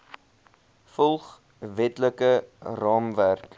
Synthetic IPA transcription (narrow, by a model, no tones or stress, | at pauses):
fɔlˠχ | vɛtləkərɑːmværk